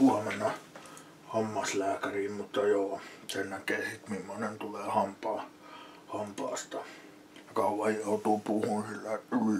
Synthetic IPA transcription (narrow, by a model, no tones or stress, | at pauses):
uɑmenːˑɑ | hɑmːɑslæːkæriːmmut̪ːɑjoːsennækeːsit̪mimːonent̪uleːhɑmpɑː | hɑmpɑːst̪ɑ | jɑkɑˑuʋɑjjoˑut̪uːpuhuːnsilːæeʔylː